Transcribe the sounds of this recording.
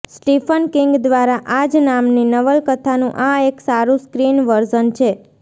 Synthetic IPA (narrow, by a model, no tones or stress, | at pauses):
sʈifʰənkɪŋɡd̪ʋaɾaʔad͡ʒnamninəʋəlkət̪ʰanũʔaeksaɾũskɾinʋəɾd͡ʒənt͡ʃʰe